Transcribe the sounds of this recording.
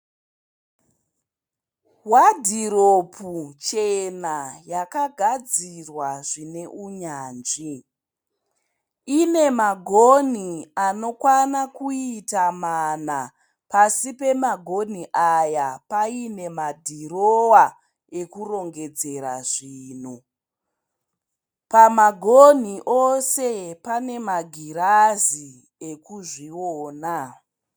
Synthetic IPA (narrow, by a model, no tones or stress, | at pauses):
wadʱiɾopʰut͡ʃe̞najakaɡʱad͡zirwaʐine̞ʔuɲaːnd͡ʒi | ine̞maɡʱoniano̞kwanakuitamana | pasipe̞maɡʱo̞n̤iʔajapaine̞madʱirowa | e̞kuro̞ŋɡe̞d͡ze̞ɾa̰ʐiːn̤u | pamaɡʱon̤iʔose̞pane̞maɡʱiɾazi | ekuʐioːna